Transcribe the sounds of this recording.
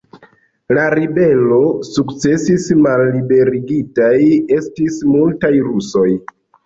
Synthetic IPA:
laɾibe̞lo̞sukt͡se̞sismalːibe̞ɾiɡitaje̞stismultajɾuso̞j

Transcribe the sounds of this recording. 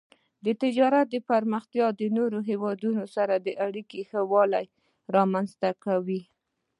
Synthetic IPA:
d̪ət̪ɪd͡ʒɑɾat̪̚d̪əpaɾməxt̪jɑd̪ənoɾoɦewɑd̪unosaɾad̪əʔaɽikexəwɑlaj | ɾɑmanzt̪akawi

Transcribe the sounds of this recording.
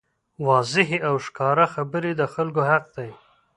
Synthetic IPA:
wɑzɪɦeawʃkɑɾaxabəɾed̪əxalɡohaq̚d̪aj

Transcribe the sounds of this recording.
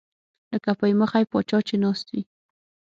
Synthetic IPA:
ləkapəjməxajpɑt͡ʃɑt͡ʃenɑst̪wi

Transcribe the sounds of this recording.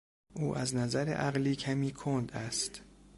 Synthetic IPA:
ʔuːʔæznæzæɾḛʔæɣliːcʰæmiːkʰond̪æst̪

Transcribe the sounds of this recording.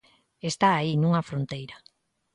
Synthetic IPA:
est̪aːinũŋɐfɾont̪ejɾa

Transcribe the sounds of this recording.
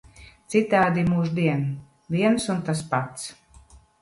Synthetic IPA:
t̪sit̪aːd̪imuːʒd̪iɛn | vʲiɛnsunt̪aspat̪s

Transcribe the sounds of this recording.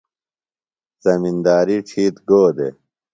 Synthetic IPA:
zɐmind̪aːɾiʈ͡ʂʰiːt̪ɡoːd̪ḛ

